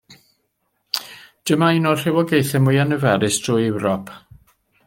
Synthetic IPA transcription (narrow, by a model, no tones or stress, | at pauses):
d̥əmainɔr̥ɪwɔɡejθɛmʊjanəvɛɾɪstʰrʊjɛwɾɔpʰ